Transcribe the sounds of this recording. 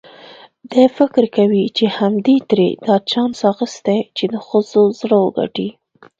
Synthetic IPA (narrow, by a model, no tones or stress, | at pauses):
d̪ajfɪkɾkawit͡ʃehamd̪et̪ɾḛd̪̥ɑt͡ʃɑnsɑxəst̪et͡ʃed̪əxəzozɽəwəɡa̰ʈi